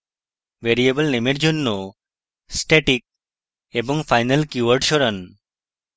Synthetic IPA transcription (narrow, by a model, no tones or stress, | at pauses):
beɾiebəlnemeɾd͡ʒonːo | sʈeʈik̚ | ebɔŋfʰajnəlkjuwəɾʈʃɔɾan